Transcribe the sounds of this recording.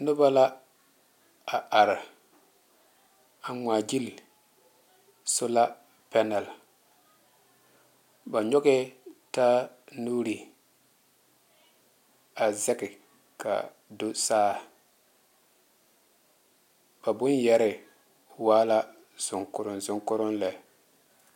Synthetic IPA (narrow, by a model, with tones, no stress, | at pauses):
nʊ˦ba˦la˦ | a˨ʔa˨ɾɪ˨ | a˨ŋaː˨d͡ʒi˦l | sʊ˦la˦ | pɛ˦nɛ˨l | ba˨ɲɔ˦ɡɛ˦ta˦nuː˦ɾi˨ | a˨zɛ˦kɪ˨ | ka̰˨ | do˦saː˦ | ba˨bʊ˦njɛ˦ɾɪ˨ | waː˦la˦ | z̥ʊ˨ŋkʊ˨ɾʊ˨nzʊ˨ŋkʊ˦ɾʊ˦nlɛ˨